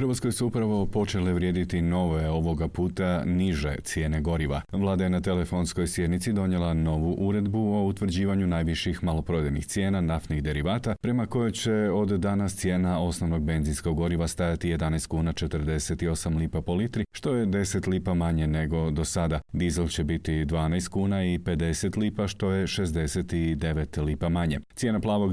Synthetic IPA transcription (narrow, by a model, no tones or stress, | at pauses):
fɾ̩ʋasko̞jsuupɾaʋo̞po̞t͡ʃe̞leʋɾjeːd̪it̪ino̞ʋe̞o̞ʋo̞ɡapuːt̪aniʒe̞̰t̪sje̞ːneɡo̞ɾiʋa̰ʋlˠaːd̪aje̞nat̪e̞le̞fo̞nsko̞jsje̞d̪nit̪sid̪o̞ɲje̞lˠano̞ʋuʔuɾe̞d̪buo̞ut̪ʋr̩d͡ʑiːʋaɲunajʋiʃixmalˠo̞pɾod̪enḭxt̪sje̞ːnanaft̪niɣd̪e̞ɾiʋaːt̪apɾe̞mako̞jot͡ɕe̞o̞d̪ːanast̪sje̞ːnao̞sno̞ʋno̞ɡ̚be̞nzinsko̞ɡo̞ɾiʋast̪ajat̪ije̞d̪anajst̪̚kuːnat͡ʃe̞t̪ɾ̩d̪e̞se̞t̪io̞samliːpapo̞lit̪ɾiʃt̪o̞je̞d̪e̞set̪liːpamaɲe̞ne̞ɡo̞d̪o̞sad̪ad̪izelˠt͡ɕe̞bit̪id̪ʋaːnajst̪̚kuːnaipe̞d̪e̞se̞t̪liːpaʃt̪o̞je̞ʃe̞zd̪e̞se̞t̪id̪e̞ʋe̞t̪liːpamaɲe̞̰t̪ʲje̞ːnaplˠaːʋo̞ɡ